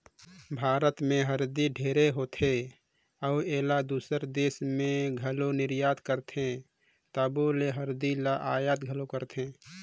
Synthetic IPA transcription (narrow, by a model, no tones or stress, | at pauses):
bʱaːɾət̪mẽɦəɾd̪iɖʱeːɾeɦoːt̪ʰe | ɔːeːlad̪uːsəɾd̪eːsmẽɡʱəlonɪɾjaːt̪kəɾt̪ʰẽ | t̪aboleɦəɾd̪ilaʔaːjat̪ɡʱəlokəɾt̪ʰẽː